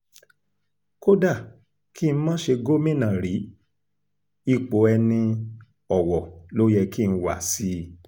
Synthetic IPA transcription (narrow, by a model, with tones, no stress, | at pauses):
ko˦da˦˨ | ki˦n̩˦mãː˦ʃe˧ɡo˦mĩ˦˨nã˨ɾi˨˦ | i˦˨k͡po˨˦ɛ˧nĩ˧ | ɔ˨wɔ˨lo˦jɛ˧kĩ˦˧wa˦˨si˦